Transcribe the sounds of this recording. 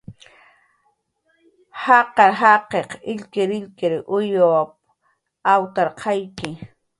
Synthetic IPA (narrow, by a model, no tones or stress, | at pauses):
hɑqɑɾɦɑqeqɪʎkɪɾɪʎkɪɾʔʊjop̚ | awt̪aɾqʰɑjkɪ